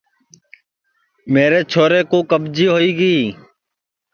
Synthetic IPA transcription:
meːɾeːt͡ʃʰoːɾeːkõːkəbd͡ʒiːɦoːiːɡiː

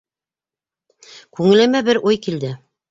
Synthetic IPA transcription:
kʉŋɘ̆læmæbɘɾʔujkild̪ɘ

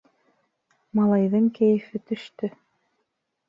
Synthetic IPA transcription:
mɑlˠɑjðɤŋkæjɘ̆fɘt̪ɵ̆ʃt̪ɵ

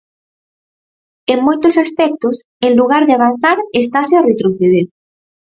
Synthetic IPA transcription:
eŋmojt̪ʊsaspɛk̚t̪ʊs | eŋluɣaɾðeaβan̟θaɾest̪asɪaret̪ɾoθeð̞eɾ

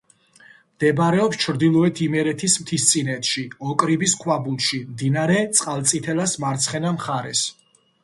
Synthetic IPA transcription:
md̪̥ɛbɾɛɔpst͡ʃʰɾd̪ilˠɔɛt̪ʰimɛɾɛt̪ʰismt̪ʰist̪sʼinɛt̪ʰʃiɔkʼɾibiskʰwabulˠʃimd̪inaɾɛt̪sʼqʼalˠt̪sʼit̪ʰɛlasmaɾt̪sʰχɛnamχaɾɛs

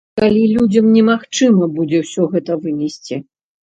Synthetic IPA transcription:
kalʲilʲud͡zʲɐmnʲɛmaxt͡ʂɨmɐbud͡zʲɛwsʲɔɣɛt̪ɐvɨnʲɛsʲt͡sʲi

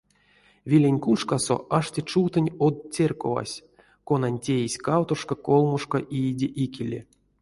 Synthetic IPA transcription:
vʲilʲenʲkuʂkaso̰ʔaʂtʲet͡ʃuwt̪ɨnʲod̪̚t͡sʲerko̰va̰sʲ | konanʲtʲejisʲkawt̪oʂkakolˠmuʂkoʔijdʲeʔikʲilʲːe

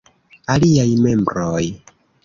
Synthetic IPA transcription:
aliajme̞mbɾoj

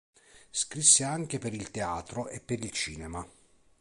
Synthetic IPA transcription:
skɾisːeaŋk̟epeɾilt̪eaːt̪ɾoʔepːeɾilt͡ʃiːnema

